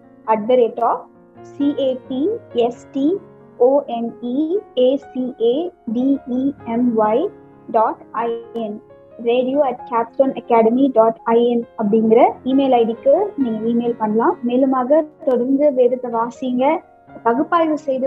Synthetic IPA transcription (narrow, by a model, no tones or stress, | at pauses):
ɐɖ̚bɐɾeːʈɔː | siːʔeːpiɛsʈi | oːʔɛnieːsieːɖiiɛmʋɐɪ | ɖaːʈɐɪɛn | ɾeːɖijoːɐʈ̚kaːpsʈoːnɐkːaːɽɐmiɖaːʈɐɪɛnɐpːɐɽɪŋɡɪɾɐiːmeːlɐɪɽɪkːɯniːŋɡɐiːmeːlpɐɳːɐlãːmeːlɯmaːɣɐt̪ɔɽɐɾnd̪ɯʋeːɾɯt̪ːɐʋaːsiŋɡɐ | p̪ɐɣɯpːaːjʋɯsɛjðɯ